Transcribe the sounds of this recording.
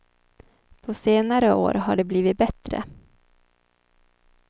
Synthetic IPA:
pʰɔseːnaɾəo̰ːɾɦaɖɛbliːvɪt̪̚bɛt̪ɾə̰

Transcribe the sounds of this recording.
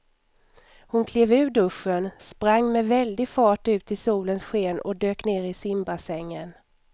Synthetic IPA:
hʊnkʰleːvʉ̟ːɖɵʂːənspɾaŋːmɛvɛld̪ɪɡfɑːʈʉ̟ːt̪ʰɪlsuːlənsɧeːnɔ̰d̪øːkneːɾɪsɪmbasɛŋːən

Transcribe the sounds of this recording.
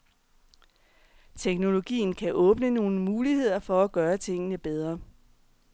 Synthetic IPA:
t͡sʰeɡ̥no̝lo̝ɡ̥ḭːn̩kʰæʔɔ̽ːb̥nəno̝ːn̩muːlihe̝ð̞̰ˠɐfɒ̽æɡ̥ɶːɐt͡sʰe̝ŋ̰ənəb̥eð̞ˠʁɐ

